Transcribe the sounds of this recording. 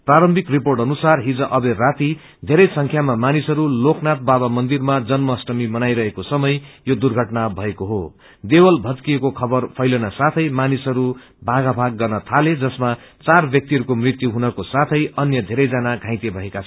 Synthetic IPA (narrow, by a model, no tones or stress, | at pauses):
praɾʌmbʱikriporʈʌnusarɦid͡zʌʔʌberat̪i | d̪ʱeɾʌjsʌŋkʰjamamanisʌɾulokʰnat̪̚baβamʌnd̪irmad͡zʌnmʌsʈʌmimʌnajɾʌɦekosʌmʌjjod̪urɡʱʌʈnabʱʌekoɦo | d̪ewʌlbʱʌt̪kiekokʰʌbʌrpʰʌjlʌnʌsat̪ʰʌjmanisʌɾu | bʱaɡabʱaɡːʌrnʌt̪ʰaled͡zʌsma | t͡sarbjʌk̚t̪iɦʌɾukomrit̪juɦunʌkosat̪ʰʌjʌnjʌd̪ʱeɾʌjd͡zanaɡʱãj̃t̪ebʱʌekat͡sʰ